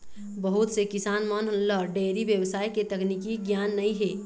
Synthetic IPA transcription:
bəɦut̪sekɪsaːnmɔnɦʊnlɔːɖeːɾiʋjəwsaːeket̪ɐknikiɡjaːnːɐĩɦeː

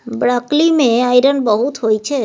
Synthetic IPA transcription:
bɾaklimẽajɾənbəɦut̪ɦojt͡ʃʰe

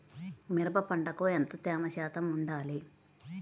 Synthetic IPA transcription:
miɾɐbɐpɐɳɖɐkoent̪ɐt̪aːmɐʃaːt̪ɐmuɳɖaːli

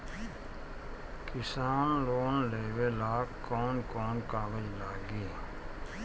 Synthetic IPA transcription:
kɪsaːnloːnleːwelaːkkːɔːnkɔːnkaːɡəd͡ʒlaːɡiː

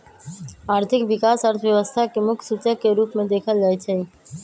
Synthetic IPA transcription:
aːɾt̪ʰɪkʋɪkaːsəɾt̪ʰəʋjəʋəst̪ʰakemʊkʰsut͡ʃəkːeɾuːpmẽd̪eːkʰəld͡ʒaːet͡ʃʰe

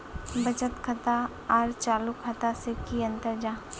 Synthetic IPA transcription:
bɐt͡ʃət̪kʰɐt̪a | ɔɾt͡ʃaːlukʰət̪asekiɐ̃nt̪əɾd͡ʒaː

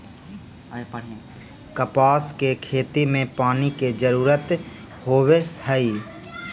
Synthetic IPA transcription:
kəpaːskekʰeːt̪imẽpaːniked͡ʒəɾuːɾət̪ | hoːʋehəiː

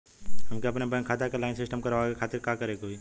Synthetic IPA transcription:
ɦɐmkeɐpnebɐ̃kʰaːt̪akelaːɪnsɪsʈəmkɐɾʋakekʰaːt̪ɪɾkakɐɾekoi

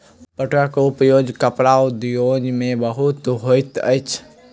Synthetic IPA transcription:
pəʈakoʊpjoːd͡ʒkəpɾaːwd̪joːd͡ʒmẽbəɦʊt̪ɦojt̪ə̰t͡ʃʰ

